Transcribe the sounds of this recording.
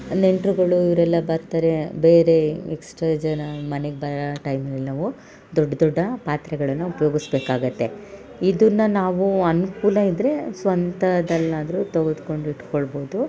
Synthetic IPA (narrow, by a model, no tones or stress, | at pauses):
ne̞ɳʈɾuɡɐɭuiʋɐɾɛlːɐbɐɾt̪aːɾe̞be̞ːɾe̞eksʈɾɐd͡ʒɐnɐmɐneɡebɐɾɐʈɐjmnɛlːɐʋu | d̪ɔɖːɐd̪ɔɖːɐpaːt̪ɾɛɡɐɭɐnːuupɐjo̞ːɡisbeːkaːɡut̪ːe̞ | id̪unːɐnaːʋuɐnukuːlɐid̪ɾe̞sʋɐnt̪ɐd̪ɐlːaːd̪ɐɾut̪ɐɡod̪ko̞ɳɖiʈkoɭbo̞ːd̪u